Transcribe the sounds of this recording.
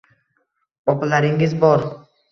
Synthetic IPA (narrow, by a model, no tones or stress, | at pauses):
ɒplaɾɪŋɪzbɒɾ